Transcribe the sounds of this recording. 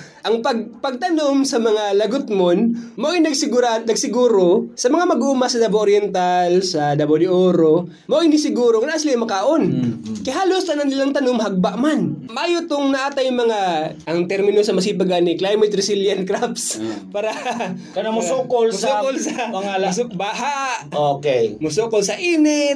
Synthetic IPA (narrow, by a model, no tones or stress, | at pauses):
ʔɐŋpɐɡ̚pɐɡ̚t̪ɐnomsɐmɐŋalɐɡʊt̪monmoʔɪnɐɡsɪanɐɡsɪɡuːɾosɐmɐŋamɐɡuːmɐsɐd̪ɐboʔoɾjɛnt̪alsɐd̪ɐbod̪ɪʔoːɾo | moʔjnɪsɪɡuːɾoŋnaʔasɪlamɐkaːʔonkɐjɦaːlost̪ɐnɐnːɪlaŋt̪ɐnomɦɐɡ̚baʔmanmɐʔaːjot̪oŋnɐʔaːt̪ajʊŋmɐŋaʔɐŋt̪ɛɾmɪnosɐmɐs̬iːpɐɡanɪklajmɛt̪ɾɪsɪljɐnt̪̚kɾap̚spaːɾɐkɐamʊsukolsukolsɐɐasbaːɦaʔʔokejmʊsuːkolsɐʔiːnɪ